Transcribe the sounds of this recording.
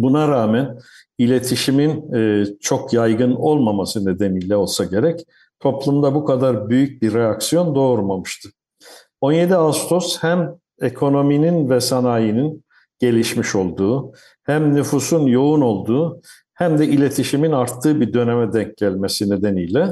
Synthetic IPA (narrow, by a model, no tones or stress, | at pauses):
bunaɾaːmæn | ilʲe̞t̪ʰiʃiminːt͡ʃʰo̞kʰjajɡɯno̞lˠmamasɯne̞d̪enijlʲɛo̞lˠsaɟe̞ɾɛc | t̪ʰo̞plˠumd̪abukʰad̪aɾbyjyc̚biɾːeaksijo̞nd̪o̞ːɾmamɯʃt̪ʰɯ | o̞nje̞d̪iast̪ʰoshæm | ekʰo̞no̞mininvɛsanaːjinin | ɟ̥e̞lʲiʃmiʃo̞lˠd̪uː | hæmnyfusunjo̞uno̞lˠd̪uː | hæmd̪ɛilʲe̞t̪ʰiʃiminaɾt̪ʰːɯːbid̪ø̞nemɛd̪ɛɲc̚ɟælʲme̞sine̞d̪enijlʲɛ